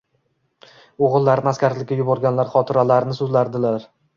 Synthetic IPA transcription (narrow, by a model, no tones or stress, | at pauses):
oʁɨlˠːaɾɪnɪaskʲaɾlɪkʲːajʊbɒɾɡʲanlaɾχɒt̪ʰɪɾalaɾnɪsʊzlaɾd̪ɪlaɾ